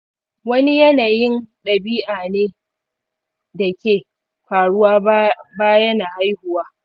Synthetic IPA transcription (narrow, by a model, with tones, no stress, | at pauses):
wɐ˦ni˦jɐ˦naː˨jɪ˦nɗɐ˨biː˦ʔaː˨neː˦ | da˨kʲeː˨ | ɸaː˨ɽʊ˦waː˦baː˦jɐ˦naː˨ʔa˦jhʊ˨waː˦